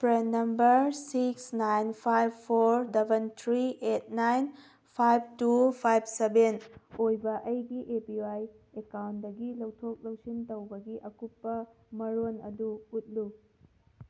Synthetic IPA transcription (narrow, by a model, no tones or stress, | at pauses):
pɾenːɐmbɐɾsiksnajnpʰajbpʰoɾdebʱent̪ʰɾiʔet̚najn | pʰajb̚tupʰajb̚sebenojbɐʔɐjɡiʔepiaj | ekawntdɐɡilɐwtʰok̚lɐwsintɐwbɐɡiʔɐkupːɐ | mɐɾonɐ̰duːt̚lu